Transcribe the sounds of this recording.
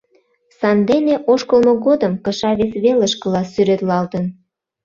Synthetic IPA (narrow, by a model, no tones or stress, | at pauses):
sɑnd̪eneʔoʃkəlmoɣod̪əmkə̆ʃɑβesβeləʃkə̆lɑsyɾet̪lɑlt̪ən